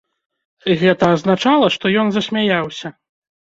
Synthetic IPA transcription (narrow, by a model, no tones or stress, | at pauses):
ɣɛt̪ɐːznat͡ʂalˠɐʂt̪ɔjɔnzɐsʲmʲajawsʲɐ